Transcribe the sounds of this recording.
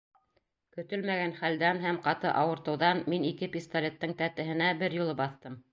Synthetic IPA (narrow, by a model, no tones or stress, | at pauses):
kɵ̆t̪ɵlmæɣænχæld̪ænɦæmqɑt̪ɤʔɑwɤ̆ɾt̪ɤ̆wðɑnminikɘpʲist̪alʲet̪ːɤŋt̪æt̪ɘ̆ɦɘ̆næbɘɾjulˠɤbɑθt̪ɤm